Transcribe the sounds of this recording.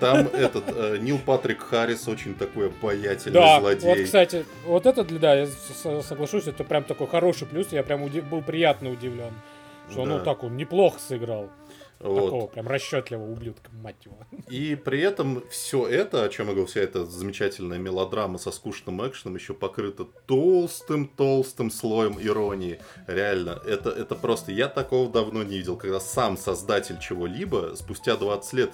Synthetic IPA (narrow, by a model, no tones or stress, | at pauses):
t̪amɛt̪ət̪ənʲilˠpat̪ɾʲɪkxaɾʲɪso̞t͡ɕɪnʲt̪ɐko̞jɐbɐjætʲɪlʲnd̪alˠɐdʲvʲoejsst̪atʲɪ | vot̪ɛt̪əd̪lʲd̪ajassəɡlˠɐʂusʲɛt̪əpɾʲamt̪ɐko̞jxɐɾo̞ʂɨjplʲusjapɾʲamʊdʲɪbɨlˠpɾʲɪjat̪nəʊdʲɪvlʲo̞n | ʂt̪onut̪akonnʲɪplˠo̞xə̥sɪɡɾalˠ | vɐo̞tko̞vəpɾʲamrɐɕːot̪lʲɪvəʊblʲut̪kəmːatʲːɪvəipɾʲɪɛt̪əmfsʲo̞ɛt̪əɐt͡ɕmjaɡəvʲɾʲlˠfsʲɪaɛt̪əzəmʲɪt͡ɕætʲɪlʲnəjəmʲɪlˠɐd̪ɾamːəsɐskuʂnɨmɛkʂənəmjɪɕːo̞pɐkɾɨt̪ət̪o̞lˠst̪ɨmt̪o̞lˠst̪ɨmslˠo̞jəmɪɾo̞nʲɪɪɾʲɪalʲnəʔɛt̪əʔɛt̪əpɾo̞st̪əjat̪ɐko̞vəd̪ɐvno̞nʲɪvidʲɪlˠkɐɡd̪asamsɐzd̪atʲɪlʲt͡ɕɪvo̞lʲibəspʊsʲtʲad̪vat̪sɨ̥tʲlʲe̞t̪